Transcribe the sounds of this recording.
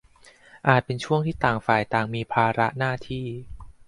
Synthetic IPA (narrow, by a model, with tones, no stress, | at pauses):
ʔaː˨˩t̪̚pe˧nt͡ɕʰu˥˩əŋt̪ʰiː˥˩t̪aː˨˩ŋfaː˨˩jt̪aː˨˩ŋmiː˧pʰaː˧ɾa˦˥naː˥˩t̪ʰiː˥˩